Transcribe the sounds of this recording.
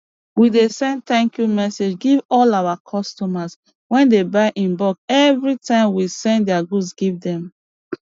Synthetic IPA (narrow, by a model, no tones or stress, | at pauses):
widesɛ̃nd̚tɛ̃ŋkjumɛsed͡ʒɡivɔlawakʰɔstɔmas | wɛ̃ndebaɪʔĩnbɔkɛvɹitãɪ̃mwisɛ̃ndɛaɡusɡivdɛ̃m